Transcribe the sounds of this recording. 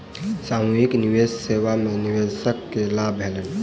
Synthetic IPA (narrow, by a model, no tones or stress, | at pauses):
samuɦikniwessewameniwesəkːelabʱelən